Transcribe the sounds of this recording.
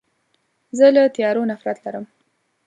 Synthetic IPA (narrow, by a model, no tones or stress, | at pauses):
zəlat̪ijɑɾonafɾat̪laɾəm